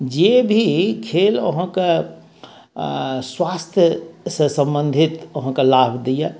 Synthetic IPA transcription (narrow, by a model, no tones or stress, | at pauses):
d͡ʒebʱikʰeːlo̰ɦãka | swaːst̪ʰjəsəsə̃mbə̃nd̪ʱit̪oɦãkalaːbʱd̪ija